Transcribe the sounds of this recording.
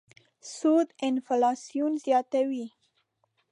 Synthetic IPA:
sud̪ɪnfalɑsijunzjɑt̪awi

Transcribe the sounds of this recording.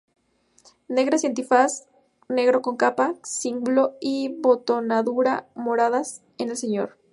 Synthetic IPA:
ne̞ɣ̞ɾasje̞nt̪ifas | ne̞ɣɾo̞ko̞ŋkapasimɡulo̞iβot̪o̞naðuɾamo̞ɾaðas | ene̞ls̬e̞ɲo̞̰ɾ

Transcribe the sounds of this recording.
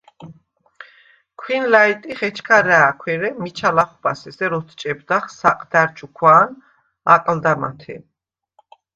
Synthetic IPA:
kʰwinlait̪ʼiχɛt͡ʃʰkʰaɾɛːkʰwɛɾɛmit͡ʃʰalaχubasɛsɛɾɔt̪ʰt͡ʃʼɛbd̪aχsaqʼd̪aɾt͡ʃʰukʰwaːn | a̰qʼld̪ama̰t̪ʰɛ̰

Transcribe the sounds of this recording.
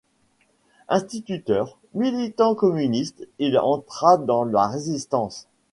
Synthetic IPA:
ɛ̃st̪it̪yt̪œːʁ | milit̪ɑ̃kɔmynist̪ilɑ̰̃t̪χad̪ɑ̃laʁezist̪ɑ̃s

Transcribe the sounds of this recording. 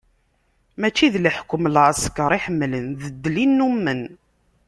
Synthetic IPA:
mæt͡ʃːiðləħkʷːəmlʁəskəɾˤiħəmːlənðəd̪ːlinːumːən

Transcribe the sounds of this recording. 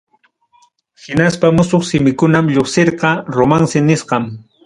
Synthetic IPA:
hɪnaspamʊsoχsɪmɪkʊnamʎoχsɪɾqɑɾomansɪnɪsqɑm

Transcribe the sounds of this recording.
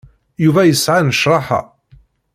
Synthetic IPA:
juvæjəsʕanəʃɾˤɑħa̰

